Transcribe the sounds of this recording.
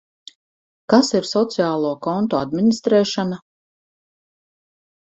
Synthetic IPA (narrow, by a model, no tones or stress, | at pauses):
kasiɾsɔt̪siaːlˠuːkɔnt̪ɔad̪minist̪ɾɛːʃana